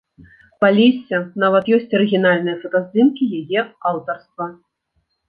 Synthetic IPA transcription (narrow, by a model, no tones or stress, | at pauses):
palʲisʲːɐnavɐt̪jɔsʲt͡sʲɐɾɨɣʲinalʲnɨjɐfɐt̪azʲd̪ɨmkʲijajɛawt̪ɐrst̪vɐ